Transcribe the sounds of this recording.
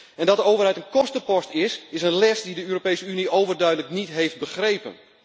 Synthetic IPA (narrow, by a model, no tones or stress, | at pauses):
ɛndɔt̚dəoːwvərɦɛjtənkɔstəpɔstɪsɪsənlɛsdidəøːɾopejsəyniʔowvərdœɥdələknitɦeft̚bəxrejpə̰n